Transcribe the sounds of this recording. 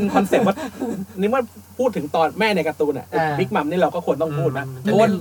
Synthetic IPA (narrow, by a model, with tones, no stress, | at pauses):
nkʰɔ˧nse˨˩wa˦˥tniː˦˥mɯ˥˩ɐpʰuː˥˩t̪ʰːɯ˩˦ŋt̪ɔː˧nmɛː˥˩na˧jka˧t̪uː˧nʔa̰˨˩˨mi˦˥k̚ma˨˦mniː˥˩ɾa˧wkɔː˥˩ku˧ənt̪ɔ˥˩ŋpʰuː˥˩t̪̚na˦˥˧ən